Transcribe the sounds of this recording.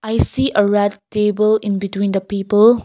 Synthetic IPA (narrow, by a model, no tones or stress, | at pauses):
ʔajsiʔəɹɛdtebəlĩnbitwĩnd̪əpipəl